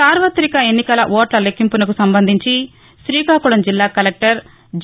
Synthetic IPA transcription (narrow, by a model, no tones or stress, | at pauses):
aːɾʋɐt̪ːɾikɐe̞nːikɐlɐʔɔːʈlɐlekːimpunɐkusɐmbɐnd̪ʱiɲt͡ʃi | ʃɾiːkaːkuɽɐmd͡ʒilːaːkɐlek̚ʈɐɾ | d͡ʒ